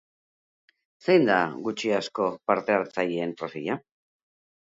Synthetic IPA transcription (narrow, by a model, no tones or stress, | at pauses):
sejnd̪a̰ɡut͡ʃiasko̞paɾt̪e̞aɾt͡sajie̞mpɾoseʎa